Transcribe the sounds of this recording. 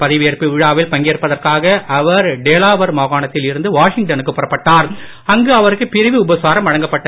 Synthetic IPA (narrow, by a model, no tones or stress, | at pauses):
pɐðɪʋɪjɐɾpiʋɪɻaːʋɪlpɐŋɡeːɾɯpːɐðɐrkaːɣɐʔɐʋɐɾɖeːlaːʋɐɾmoːɣaːnɐt̪ːɪlɪɾɯnd̪ɯʋaːʂɪŋɡ̚ʈɐnɯkːɯpːʊɾɐpːɐʈːaːɾ | ɐŋɡɯɐʋɐɾɯkːɯpɪɾɪʋiʊbɐsaːɾɐmɐɻɐŋɡɐpːɐʈːɐ